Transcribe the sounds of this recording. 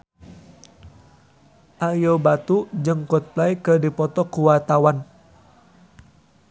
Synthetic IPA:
ʔajobat̪ud͡ʒəŋkɔt̪̚plaikədipɔt̪ɔkuwat̪awan

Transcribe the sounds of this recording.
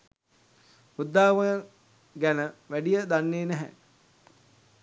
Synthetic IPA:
ud̪ːaːʋəə | ɡænəʋæɖijəd̪anːeːnæɦɛ̰

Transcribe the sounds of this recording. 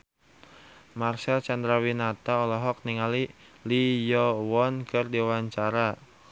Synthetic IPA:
marsɛlt͡ʃand̪ɾawinat̪aɔlɔɦɔk̚niŋali | lijɔwɔnkɨrdiwaɲt͡ʃaɾa

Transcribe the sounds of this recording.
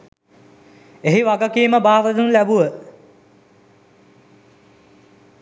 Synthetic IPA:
eɦiʋaɡəkiəməbaːʋəd̪unlæbuʋə

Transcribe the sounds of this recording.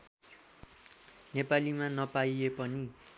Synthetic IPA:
nepalimanʌpaiepʌni

